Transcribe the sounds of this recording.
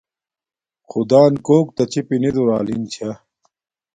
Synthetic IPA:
xud̪aːnkoːkt̪ɐt͡ɕipined̪uɾaːlḭnt͡ɕʰɐ

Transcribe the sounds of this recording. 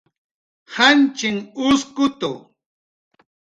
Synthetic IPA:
hant͡ʃɪŋʊskʊt̪ʊ̰

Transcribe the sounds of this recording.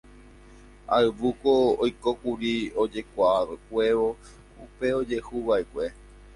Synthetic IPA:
aɨʋukoojko̞kuɾiod͡ʒe̞kʷakʷe̞ʋo̞ | upe̞o̞d͡ʒe̞huʋaekʷe̞

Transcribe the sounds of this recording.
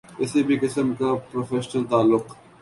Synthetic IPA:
ɪsebʱikɪsəmkapɾoːfeːʃnəlt̪aːlːʊq

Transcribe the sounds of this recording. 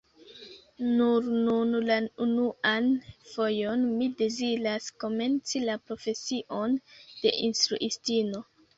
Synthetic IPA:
nuɾnunlaunuanfo̞jo̞nmide̞ziɾasko̞me̞nt͡silapɾo̞fe̞siʔo̞nd̥e̞̰ʔinstɾṵʔistino̞

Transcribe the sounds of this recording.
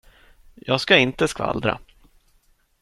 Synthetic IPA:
jɑːɡskaɪnt̪əskva̰ld̪ɾa̰

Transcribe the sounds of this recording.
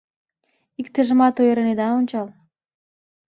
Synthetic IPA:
ikt̪ĕʒə̆mɑt̪ojɾened̪ɑonʲt͡ɕɑl

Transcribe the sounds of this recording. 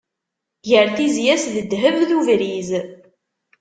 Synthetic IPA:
ʝəɾθizjæsðəd̪ːɦəvðuvɾiz

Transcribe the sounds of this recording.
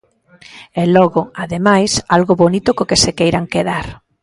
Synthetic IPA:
ɛlɔɣoaðemajsalɣoβonit̪ʊkokesekejɾaŋkeðaɾ

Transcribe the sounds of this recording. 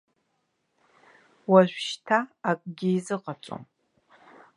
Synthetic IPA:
waʃʷʃtʰaːkʼɡʲɪzɨqʼat͡ʃʷʼo̰m

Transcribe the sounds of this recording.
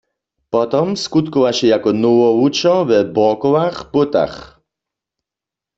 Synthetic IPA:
pɔt̪ɔmskut̪kɔwaʃɛjakɔnowɔut͡ʃɔvɛbɔkɔwaxpot̪a̰x

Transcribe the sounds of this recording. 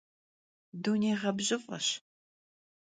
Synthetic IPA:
duːneːʁɐbʑɪfʼɐ̰ɕ

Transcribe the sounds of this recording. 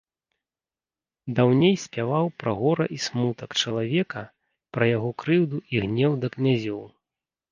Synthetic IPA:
d̪awnʲejsʲpʲavawpɾɐɣɔɾɐ̰ʔismut̪ɐkt͡ʂɐlˠavʲɛkɐ | pɾɐjaɣɔkɾɨwd̪uʔiɣnʲɛwd̪ɐknʲazʲɔw

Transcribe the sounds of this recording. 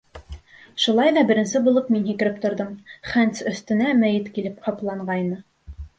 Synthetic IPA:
ʃulˠɑjðɑbɘ̆ɾɘ̆nsɘbulˠɤp̚minhikɘ̆ɾɘp̚t̪ŏɾðɤmχænt̪sɵ̆θt̪ɘ̆næmæjɘt̪kilɘp̚qʰɑplˠɑɴɢɑjnɤ

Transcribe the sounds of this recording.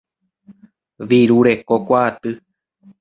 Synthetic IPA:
ʋiɾuɾe̞ko̞kʷaːt̪ɨ

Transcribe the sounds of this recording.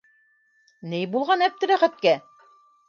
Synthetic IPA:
nɘjbulˠʁɑnæp̚t̪ɘ̆ɾæχæt̪̚kæ

